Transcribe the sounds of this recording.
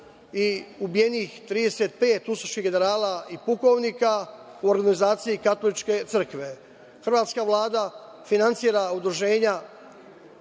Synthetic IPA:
iubije̞niːxt̪ɾiːd̪e̞set̪̚pe̞ːt̪usoʃiɡe̞ne̞ɾaːlaipuko̞ʋniːka | uoɾɡanizaːt̪sijikat̪o̞lit͡ʃke̞t̪sɾr̩kʋe̞ | xr̩ʋaːt̪skaʋlˠaːd̪a | finant̪siːɾaud̪ɾuʒe̞ːɲa

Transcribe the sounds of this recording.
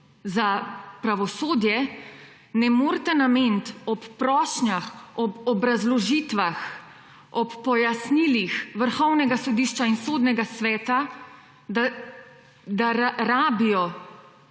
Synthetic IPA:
zapɾaʋɔsoːd̪jɛ | nɛmoːɾt̪ɛnameːnt̪ɔpːɾɔːʃnjaxɔpɔbɾazlɔʒiːt̪ʋax | ɔpːɔjasnilixʋəɾxɔwnɛɡasɔd̪iːʃt͡ʃainsoːd̪nɛɡasʋɛːt̪a | d̪aɾaːbijɔ

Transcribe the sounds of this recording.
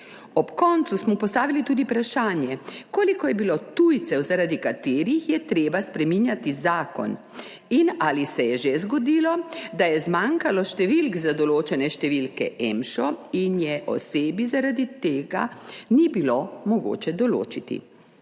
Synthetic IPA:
ɔpkɔnt̪susmɔpɔst̪aːʋilit̪uːd̪ipɾaʃaːnjɛkoːlikɔjɛbilot̪ujt̪sɛwzaɾaːd̪ikat̪eːɾixjɛt̪ɾeːbaspɾɛminjat̪izaːkɔ̰n | inalisɛjɛʒezɡɔd̪ilɔd̪ajɛzmaŋkalɔʃt̪ɛʋilkzad̪ɔloːt͡ʃɛnɛʃt̪ɛʋilkɛʔɛmʃɔinjɛʔɔ̰seːbizaɾad̪it̪eːɡa̰nibilomɔɡo̰ːt͡ʃɛd̪ɔlo̰ːt͡ʃit̪ḭ

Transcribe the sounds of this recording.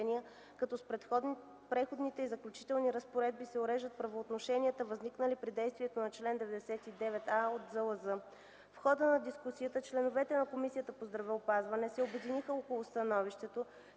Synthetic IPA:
niə | kɐt̪ɔspɾɛt̪x | pɾɛxod̪nit̪ɛizɐklʲut͡ʃi̥t̪ɛlˠniɾəspoɾɛd̪̚bisɛoɾɛʒət̪̚pɾɐvoːt̪noʃɛniət̪əvɐzniknəlipɾid̪ɛjst̪viɛt̪onɐt͡ʃlɛnd̪ɛvɛd̪ɛsɛt̪id̪ɛvɛt̪aot̪zəlˠəzɤ | fxɔd̪ənɐd̪iskusiət̪ət͡ʃlɛnovɛt̪ɛnɐkomisijət̪əpozd̪ɾɐvɛopazvɐnɛsɛobɛd̪inixəokolˠost̪ɐnɔviʃt̪ɛt̪o

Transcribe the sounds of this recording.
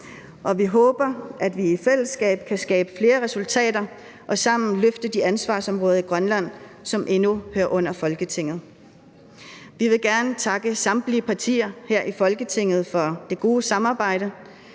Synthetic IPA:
ʔɒ̽ʋiɦɔ̽ːb̥ɐʔæd̥ʋiifel̰əsɡ̥ɛ̰ːb̥̚kʰæsɡ̥ɛːb̥əfle̝ːɐʁɛsult͡sʰɛ̰ːdɐ | ʔɒ̽sɑ̈m̰n̩løfd̥əd̥iænsʋɑ̰̈ːsɒ̽mʁɔ̽ːð̞̩ˠiɡ̥ʁɶnlæn̰ | sɒ̽mʔe̝nuhøːɐʔɔ̽n̰ɐfɒ̽lɡ̥ət͡sʰe̝ŋ̰ð̩ˠ | ʋiʋe̝ɡ̥æɐnət͡sʰɑ̈ɡ̥əsɑ̈md̥liəpʰɑ̈t͡sʰḭːɐheɐ̰ʔifɒ̽lɡ̥ət͡sʰe̝ŋ̰ð̞̩ˠfɒ̽d̥e̝ɡ̥o̝ːsɑ̈mɑ̈ːb̥ɑ̈ɪ̰ɾ̥ə

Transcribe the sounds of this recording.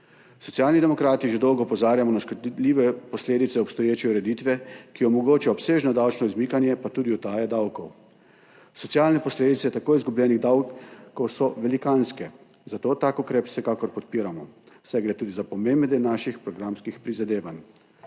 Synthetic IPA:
sɔtsjaːlnid̪ɛmɔkɾaːt̪iʒed̪ɔwɡɔpɔzaːɾjamɔnaʃkɔd̪d̪liːʋɛpɔsleːd̪it̪sɛɔpst̪ɔjeːt͡ʃɛuɾɛd̪it̪ʋɛkiɔmɔɡoːt͡ʃaɔpseːʒnɔd̪awt͡ʃnɔizmikanjɛpat̪uːd̪iɔt̪aːjɛd̪awkɔw | sɔt̪sjaːlnɛpɔsleːd̪it̪sɛt̪akoːizɡublʲɛːniɣd̪awkːɔwsɔʋɛlikanskɛ | zat̪oːt̪aːkukɾeːpwsɛkaːkɔɾpɔt̪piːɾamɔ | w̥sɛɡɾeːt̪uːd̪izapɔmembɛd̪ɛnaːʃixpɾɔɡɾamskixpɾizad̪eːʋan

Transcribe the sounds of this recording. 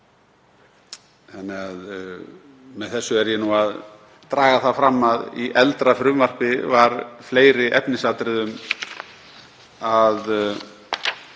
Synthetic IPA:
θanːɪɣað | mɛðθɛsːʏɛɾjɛnuað | t̪ɾaːɣaθafɾamːaðḭʔɛlt̪ɾafɾʏmvar̥pɪvaɾfleːjɾɪʔɛpnɪsat̪ɾɪðʏm | að

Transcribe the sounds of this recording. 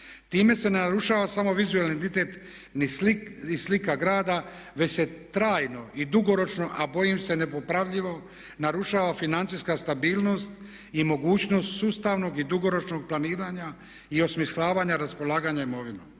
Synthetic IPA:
t̪iːme̞se̞nenaɾuʃaːʋasamo̞ʋizuelneint̪it̪e̞t̪ | niislikaɡɾaːd̪a | ʋe̞se̞t̪ɾaːjno̞ʔid̪uɡo̞ɾo̞t͡ʃno̞ʔabo̞jimse̞ne̞po̞pɾaʋʎiʋo̞ | naɾuʃaːʋafinant̪sijskast̪abiːlˠno̞st̪ | imo̞ɡuːt͡ɕno̞ːst̪suːst̪aːʋno̞ɡid̪uɡo̞ɾo̞t͡ʃno̞ɡ̚plˠaniːɾaɲa | io̞smislaːʋaɲaɾaspo̞lˠaːɡaɲaimo̞ʋino

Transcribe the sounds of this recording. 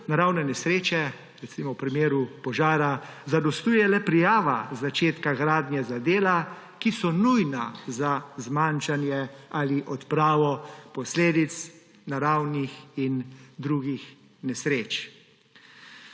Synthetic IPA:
naɾawnɛnɛsɾeːt͡ʃɛ | ɾɛtsimɔwpɾimeːɾupɔʒaːɾazad̪ɔst̪uːjɛlɛpɾijaːʋazat͡ʃeːt̪kaɡɾaːd̪njɛzad̪eːla | kisɔnujnazazmanʃanjɛaliʔɔt̪pɾaːʋɔpɔsleːd̪it̪s | naɾawnixind̪ɾuːɡix | nɛsɾeːt͡ʃ

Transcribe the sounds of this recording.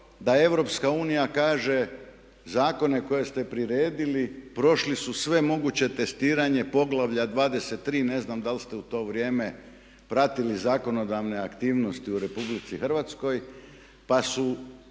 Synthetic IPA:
d̪ae̞ʋɾo̞pskauːnijakaːʒe̞ | zaːko̞ne̞ko̞je̞st̪e̞pɾiɾeːd̪ilipɾo̞ʃlisusʋe̞mo̞ɡut͡ɕe̞t̪e̞st̪iːɾaɲe̞po̞ɡlˠaʋʎad̪ʋaːd̪e̞set̪ːɾiːne̞znamd̪alst̪e̞ut̪o̞ːʋɾʲjeːme̞ | pɾat̪ilizaːko̞no̞d̪aʋne̞akt̪iːʋno̞st̪iuɾe̞publit̪sixrʋat̪sko̞j | pasu

